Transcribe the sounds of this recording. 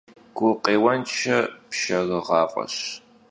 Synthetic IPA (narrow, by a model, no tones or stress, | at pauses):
ɡ̥ʷʊqʼeːwɐnt͡ʃʰɐpʃɐɣɨʁɑːqʼɐ̰ɕ